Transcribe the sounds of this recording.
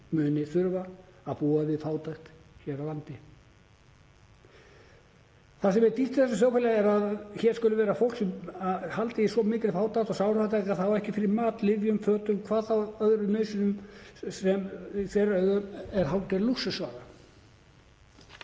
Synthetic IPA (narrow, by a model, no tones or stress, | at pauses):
mʏːnɪθʏɾvaapuːavɪðfaːwt̪ajxt̪çɛːɾawlant̪ɪ | θasɛmɛɾt̪iht̪ɪ̥θɛsasjaːwfɪlaɛɾaðçɛːɾskʏlʏvɛːɾafowlksɛmahalt̪ɪjɪsɔmɪːcɾɪfaːwt̪ajxt̪ɔsawɾfat̪akaðθawɛhcɪfɪɾɪɾmaːt̪lɪvjʏmfœːt̪ʏmkʰvaːðθawœðɾʏnœːɥsʏnʏmsɛmiθɛɾœɥɣʏmɛɾ̥ɦawt̪ɛɾlusʏsvaːɣa